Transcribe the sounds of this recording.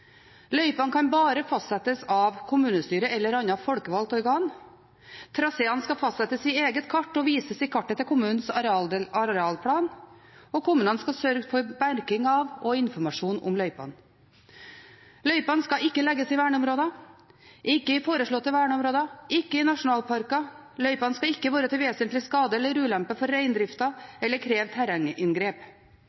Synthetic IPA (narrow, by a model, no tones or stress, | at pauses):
lœʏpɑnkʰɑnbɑːɾəfɑst̪sɛt̪əsɑʋkʰʊmʉːnəst̪yːɾəɛlːəɾɑnːɑfɔlkəʋɑlt̪ɔɾɡɑːn | t̪ʰɾɑseːɑnskɑfɑst̪sɛt̪əsɪeːɡət̪kʰɑʈːɔʋiːsəsɪkʰɑʈːət̪ʰɪlkʰʊmʉːnn̩sɑɾɛɑːlpʰɽɑːnɔkʰʊmʉːnənskɑsœɾɡfɔɾbæɾkɪŋɑʋɔɪnfɔɾmɑʂuːnʊ̰mlœʏpɑ̰n | lœʏpɑnskɑɪkːəlɛɡəsɪʋæːɳəɔmɾoːd̪ɑ | ʔɪkːəɪfoːɾəʂɭoːt̪ːəʋæːɳəɔmɾoːd̪ɑɪkːəɪnɑʂʊnɑːlpʰɑɾkɑ | lœʏpɑnskɑɪkːəʋɑːɾət̪ɪlʋeːsənt̪lɪskɑːd̪əɛlːəɾʉːlæmpəfɔɾæɪnd̪ɾɪft̪ɑɛlːəɾkʰɾeːʋt̪ʰæɾɑŋəʔɪnɡɾeːp